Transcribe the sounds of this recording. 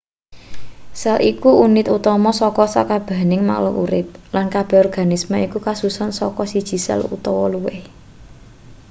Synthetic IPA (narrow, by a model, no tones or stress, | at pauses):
sɛlʔikuʔunɪt̪ut̪ɔmɔsɔkɔsa̰kab̥a̤nɪŋma̰lʊŋuɾɪp̚lankab̥ɛ̤ɔrɡ̥a̤nismaikukasusɔnsɔkɔsid̥ʒ̥i̤sɛ̰lṵt̪ɔwɔluwe